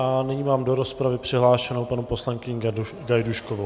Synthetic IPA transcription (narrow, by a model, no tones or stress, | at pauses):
anɪɲimaːmdo̞ɾospɾavɪpr̝̥ɪɦlaːʃɛnowpanupo̞slaŋkɪɲ | ɡajduʃkovo